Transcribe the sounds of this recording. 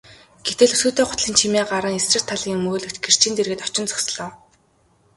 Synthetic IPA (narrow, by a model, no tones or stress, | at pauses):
ɡ̥et̪ɘ̆ɮɵsuːt̪eːχʊt̪ɮiːnt͡ɕʰimeːɢaɾə̆ŋesrɘ̆r̥t̪ʰːaɮiːŋmoːɮɵ̆kt͡ɕ̪ɡer̥t͡ɕʰiːnt̪erɣɘ̆t̪ɔ̥t͡ɕɪ̆nt͡sɔ̥ksɮɔː